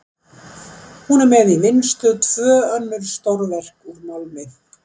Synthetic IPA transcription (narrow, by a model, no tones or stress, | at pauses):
hunamɛðivɪnst̪ʏt̪ʰvœːœnːʏɾ̥st̪owɾvɛr̥kuɾmalmɪθ